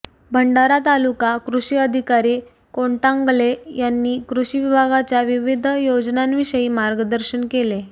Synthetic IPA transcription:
bʱəɳɖaɾat̪alukakɾuɕiːəd̪ʱikaɾiː | koɳʈãŋɡlejanːiːkɾuɕiʋibʱaɡat͡ɕjaʋiʋid̪ʱjod͡znanʋiɕəjiːmaɾɡəd̪əɾɕənkele

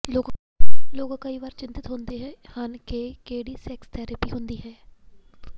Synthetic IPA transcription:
loːɡ | loːɡãkəiːʋaːɾt͡ʃɪnt̪ɪt̪ɦʊ̃nd̪eːɦɛːhankeːkeːɽiːsɛːkst̪ʰɛːɾəpiːɦʊ̃nd̪iːɦɛː

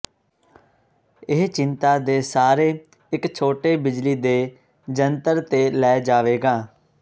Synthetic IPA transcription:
ɪɦt͡ʃɪnt̪aːd̪eːsaːɾeː | ɪkt͡ʃʰoːʈeːbɪd͡ʒliːd̪eː | d͡ʒənt̪əɾt̪eːlɛːd͡ʒaːʋeːɡaː

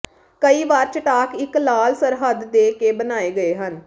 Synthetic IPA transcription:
kəiːʋaːɾt͡ʃəʈaːkɪklaːlsəɾɦəd̪ːeːkeːbənaːeːɡəeːɦən

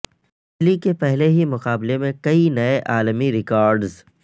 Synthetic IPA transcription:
ɪt͡ʃlikepɛɦleɦimʊqaːblemẽkɐinɐeʔaːlmiɾɪkɔːɾɖz

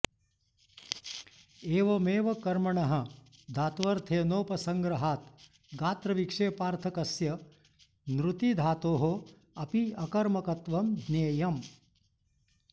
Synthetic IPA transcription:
eːʋɐmeːʋɐkɐɾmɐɳɐɦɐd̪ʱaːt̪ʋɐɾt̪ʰeːnoːpɐsɐŋɡɾɐɦaːt̪ | ɡaːt̪ɾɐʋikʂeːpaːɾt̪ʰɐkɐsjɐ | nɾut̪id̪ʱaːt̪oːɦo | ɐpiɐkɐɾmɐkɐt̪ʋɐmd̪neːjɐm

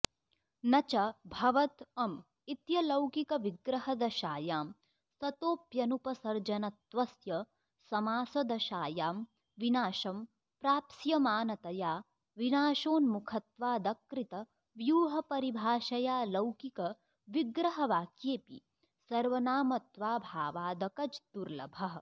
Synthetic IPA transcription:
nɐt͡ʃɐbʱɐʋɐt̪ɐm | it̪jɐlɐwkikɐʋiɡɾɐɦɐd̪ɐʃaːjaːm | sɐt̪oːpjɐnupɐsɐɾd͡ʒɐnɐt̪ʋɐsjɐ | sɐmaːsɐd̪ɐʃaːjaːm | ʋinaːʃɐm | pɾaːpsjɐmaːnɐt̪ɐjaː | ʋinaːʃoːnmukʰɐt̪ʋaːd̪ɐkɾit̪ɐ | ʋjuːɦɐpɐɾibʱaːʃɐjaːlɐwkikɐ | ʋiɡɾɐɦɐʋaːkjeːpḭ | sɐɾʋɐnaːmɐt̪ʋaːbʱaːʋaːd̪ɐkɐd͡ʒt̪uɾlɐ̰bʱɐɦ

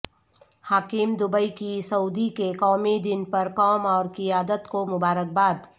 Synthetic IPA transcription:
haːkɪmd̪ʊbəikisɐuːd̪ikekɔːmid̪ɪnpɐɾkɔːmɔːɾkɪjaːd̪ət̪komʊbaːɾək̚baːd̪

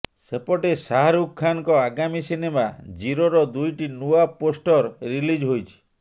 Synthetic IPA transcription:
sepɔʈesaɦaɾukʰːanɔkɔaɡamisinemad͡ʒiɾoɾɔd̪ujʈinuaposʈɔɾːilid͡ʒɦojt͡ʃʰi̥

